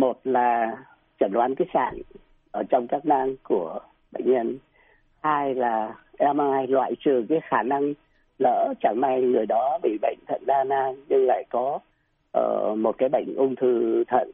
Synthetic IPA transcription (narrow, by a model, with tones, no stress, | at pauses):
mo˨˩t̚laː˨˩ | t͡ɕə˧˩nlwaː˨˦nkaː˨˦jsa̰ː˧˨n | ʔəː˧˩t͡ɕɔ˧wŋ͡mkaː˦˥k̚naː˧ŋku˧˩ə | ɓə̰˧˨ŋ̟ɲə˧n | haː˧jlaː˨˩ʔɛ˧maː˧jlwa̰ː˧˨jt͡ɕɨ˨˩kaː˨˦jxaː˧˩na˧ŋ | lə̰ː˧˥t͡ɕa˧˩ŋna˧jŋɨ˨˩əjɗɔ˨˦ɓḭ˧˨ɓə̰˧˨jŋ̟t̪ʰə̰˧˨nɗaː˧naː˧ŋɲɨ˧ŋla̰ː˧˨jkɔ˨˦ | ʔəː˧˩mo˨˩t̚kaː˨˦jɓə̰˧˨jŋ̟ʔʊ˧wŋ͡mt̪ʰɨ˧˩t̪ʰə̰˧˨n